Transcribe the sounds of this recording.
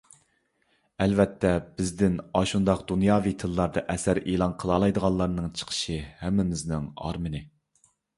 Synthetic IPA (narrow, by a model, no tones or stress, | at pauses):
ɛlvɛt̪ʰːɛbɪzd̪ɪnɑʃund̪ɑqd̪unjɑːvit̪ʰɨlˠːɑɾd̪ɑʔɛsæɾʔeːlˠɑnqʰəlˠɑːlˠɑjd̪əʁɑllˠɑɾnɨŋt͡ʃʰə̥qʰə̥ʃɨhɛmːɪmɪznɪŋɑ̰ɾmɨnɪ